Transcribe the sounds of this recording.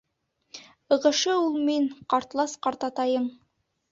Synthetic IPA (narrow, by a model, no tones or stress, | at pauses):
ɤ̆ʁɤ̆ʃɤulˠminqɑɾt̪lˠɑsqɑɾt̪ɑt̪ɑjɤɴ